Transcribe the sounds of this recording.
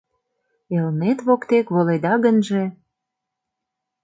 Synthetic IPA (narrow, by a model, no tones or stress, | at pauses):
elnet̪βokt̪ekβoled̪ɑɣənʒĕ